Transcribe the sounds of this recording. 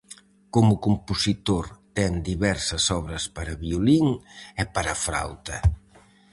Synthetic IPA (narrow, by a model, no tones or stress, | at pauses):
komʊkompusit̪oɾt̪ɛŋd̪iβɛɾsɐsɔβɾɐspaɾɐβioliŋɛpaɾɐfɾa̰wt̪ɐ